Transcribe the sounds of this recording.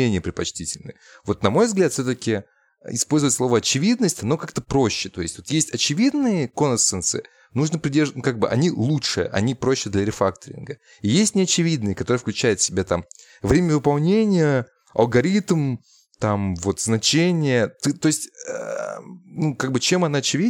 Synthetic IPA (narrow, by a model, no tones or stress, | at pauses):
enʲɪjəpɾʲɪt̪pɐt͡ɕtʲitʲɪlʲnɨ̰j | vo̞t̪nɐmo̞jvzɡlʲat̪fsʲot̪əkʲɪ | ɪspo̞lʲzɨvətʲslˠo̞vəɐt͡ɕɪvʲid̪nəsʲtʲɪno̞kakt̪əpɾo̞ɕːɪt̪o̞ɪsʲtʲvo̞t̪jesʲtʲɐt͡ɕɪvʲid̪nɨjəko̞nət̪sənsɨ̰ɪ | nuʐnəpɾʲɪdʲerʐnkaɡ̚bɨʔɐ̰nʲilˠutʂɨjə̰ʔɐ̰nʲipɾo̞ɕːɪd̪lʲɐɾʲɪfak̚t̪əɾʲɪ̰nɡə | ijesʲtʲnʲɪɐt͡ɕɪvʲid̪nɨjəkɐt̪o̞ɾɨəfklʲʉt͡ɕæjɪt̪sʲɪbʲat̪am | vɾʲemʲəvɨpɐlˠnʲenʲɪjə | ɐ̰lˠɡɐɾʲit̪m | t̪amvo̞t̪znɐt͡ɕenʲɪjət̪ɨt̪o̞jɪsʲtʲə̰ | nukaɡ̚bɨt͡ɕe̞mɐnaɐt͡ɕɪvʲi